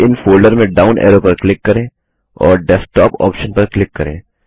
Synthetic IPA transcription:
ɪnfoːlɖəɾmẽɖaːʊnʔɛ̰ːɾopɐɾklɪkːɐɾẽː | ɔːɾɖɛːsʈɔːpɔ̰ːpʃənpɐɾklɪkːɐɾḛ̃ː

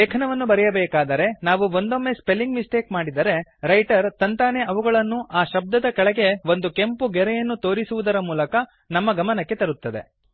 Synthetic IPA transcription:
eːkʰɐnɐʋɐnːubɐɾɛjɐbɛːkaːd̪ɐɾe̞naːʋuʋo̞nd̪o̞mːe̞spe̞lːiŋɡmisʈeːkmaːɽid̪ɐɾe̞ɾɐjʈɐɾt̪ɐnt̪aːneʔɐʋuɡɐɭɐnːuʔaːʃɐb̚d̪ɐd̪ɐkɐɭɐɡe̞ʋo̞nd̪uke̞mpuɡɛɾɛjɐnːut̪o̞ːɾisuʋud̪ɐɾɐmuːlɐkɐ | nɐmːɐɡɐmɐnɐkːe̞t̪ɐɾut̪ːɐd̪e̞̰

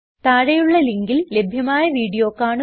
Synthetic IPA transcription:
t̪aːɻɐjuɭːɐliŋɡille̞bʱjɐmaːjɐʋiːɽijo̞ːkːaːɳɨ

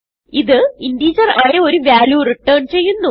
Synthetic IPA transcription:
iðɨindiːd͡ʑɐraːjɐoɾuʋjaːljuːriʈːəːɳt͡ɕe̞jːunːu

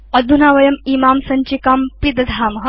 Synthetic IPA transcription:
ɐd̪ʱunaːʋɐjɐmiːmaːmsɐɲt͡ʃikaːmpid̪ɐd̪ʱaːmɐɦɐ

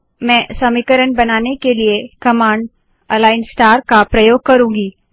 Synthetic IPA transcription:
mɛ̃ːsɐmikəɾənbɐnaːnekeliekɐmaːɳɖ | ɐlaːɪnsʈaːɾkapɾɐjoːɡ̚kɐɾũːɡiː

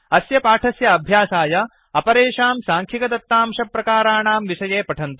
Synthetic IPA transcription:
ɐsjɐpaːʈʰɐsjɐːbʱjaːsaːjɐ | ɐpɐɾeːʃaːmsaːŋkʰikɐd̪ɐt̪ːaːmʃɐpːɾɐkaːɾaːɳaːmʋiʃɐjeːpɐʈʰɐnt̪u

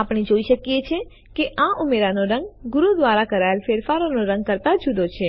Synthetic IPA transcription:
apɳ̃id͡ʒoiʃəkjet͡ʃʰe | keʔãʔumeɾanoɾəŋɡɡʊɾud̪ʋaɾakəɾaelfeɾfaɾonoɾə̃ŋɡ̚kəɾt̪ad͡ʒud̪ot͡ʃʰe

